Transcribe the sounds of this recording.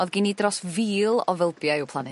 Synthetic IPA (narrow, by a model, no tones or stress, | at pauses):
ɔðɡiːnidrɔsviːlˠɔvɛlˠbjajɨwpʰlˠanɨ